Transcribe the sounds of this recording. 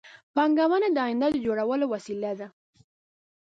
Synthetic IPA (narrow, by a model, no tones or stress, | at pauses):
pɑŋɡawanad̪əɑjɪnd̪ad̪əd͡ʒoɽawəlowasilad̪a